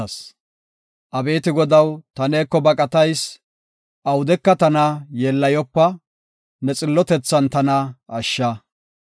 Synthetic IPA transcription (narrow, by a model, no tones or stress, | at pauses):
ɐs | ʔɐbe̞ːt̪ɪɡɔd̪ɐwt̪ɐneːkːɔbɐkʼɐt̪ɐjs | ʔɐwʊd̪ɛkːɐt̪ɐnɐjeːlːɐjɔpːɐ | nɛt͡sʼɪlːɔt̪ɛt͡sːɐnt̪ɐnɐɐʃːɐ